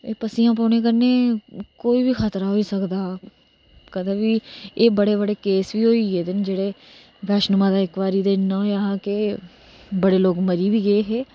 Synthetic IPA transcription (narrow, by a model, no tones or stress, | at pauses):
eːpəsiːãːp̬oːneːk̬əɾneːkoːiːbiːkʰaːt̪ɾaːɦoːiːsəkd̪aː | kəd̪eːbiːeːbəɽeːbəɽeːkeːsʋiːɦoːiːeːd̪ɪnd͡ʒeːɽeː | ɡəʃnʊmãːd̪aːɪkʋaːɾiːd̪eːɪnːãːɦoaːɦãːke | bəɽeːloːkməɾiːʋiːɡəeːɦeː